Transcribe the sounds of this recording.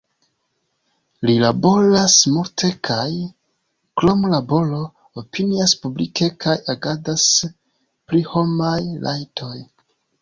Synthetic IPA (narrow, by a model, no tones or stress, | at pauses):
lilabo̞ɾasmuɾtʰe̞kʰaj | klo̞mlabo̞lo̞ | opiniaspublike̞kʰajaɡadas | pliho̞majlʔa̰jtʰo̞j